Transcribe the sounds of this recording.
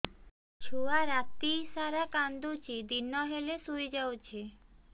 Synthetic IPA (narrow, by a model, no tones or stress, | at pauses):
ʃʰuaɾat̪ːisaɾakand̪ot͡ɕid̪inːɔɦelesuid͡ʑawt͡ɕʰe